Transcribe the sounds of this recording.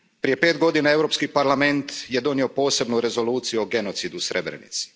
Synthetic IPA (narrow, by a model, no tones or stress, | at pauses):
pɾije̞pe̞ːt̪ɡo̞d̪inae̞wɾo̞pskipaɾlˠame̞nt̪je̞d̪o̞nio̞po̞ːse̞bnuɾe̞zo̞luːt̪sijuoɡe̞no̞t̪sid̪usɾe̞bɾḛnḭt̪si̥